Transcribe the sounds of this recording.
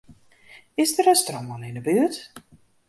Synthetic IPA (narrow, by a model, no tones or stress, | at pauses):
ɪsdəɾəstrɔmɔnɪnəbyət